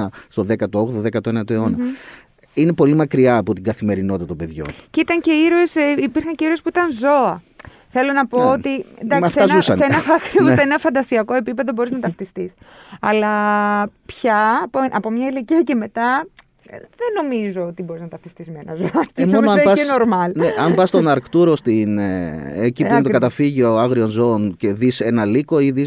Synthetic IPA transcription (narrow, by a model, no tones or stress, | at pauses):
ɐst̪o̞ðe̞kɐt̪ooɣðoðe̞kɐt̪oenɐt̪oe̞o̞nɐ | ine̞po̞limɐkɾiɐːpot̪iɡɐθime̞ɾino̞t̪t̪ɐt̪obe̞ðʝo̞̰nceit̪ɐɲce̞iɾesipiɾxɐɲce̞iɾo̞spuit̪ɐnzo̞ɐ | θe̞lo̞nɐpo̞ot̪ind̪ɐksɐsfɐzusɐsenɐfɐxɾiussenɐfɐnd̪ɐsiɐko̞e̞pipe̞ðo̞bo̞ɾiznɐt̪ɐft̪ist̪isɐlɐ | pçɐpoʔɐpo̞mɲɐileciɐce̞me̞t̪ɐ | ðeno̞mizo̞ot̪ibo̞ɾiznɐt̪ɐft̪ist̪izme̞nɐ̰zoɐcemonoɐmɐseno̞ɾmɐlneɐmbɐst̪onɐɾkt̪uɾost̪inecipent̪okɐt̪ɐfiʝioɐɣɾio̞nzo̞onceðise̞nɐliko̞iðis